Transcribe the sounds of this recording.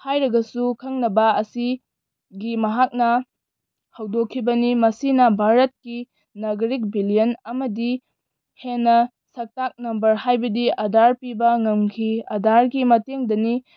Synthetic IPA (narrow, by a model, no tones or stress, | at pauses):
hajɾɐɡɐsukʰɐŋnɐbɐɐsi | ɡimɐɦak̚nɐ | hɐwdokʰːibɐnimɐsinɐbʱaɾɐt̚ki | nɐɡɾik̚bilijɐnɐmɐdi | henːɐ | sɐk̚tak̚nɐmbɐɾhajbɐdiʔɐdʱaɾpibɐŋɐmkʰiɐdaɾɡimɐteŋdɐni